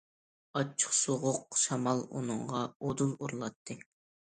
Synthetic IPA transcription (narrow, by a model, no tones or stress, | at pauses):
ɑt͡ʃʰːə̥χsoʁʊq̚ʃɑmɑlˠṵnɨŋʁɑod̪ulˠuɾlˠɑt̪ʰːɨ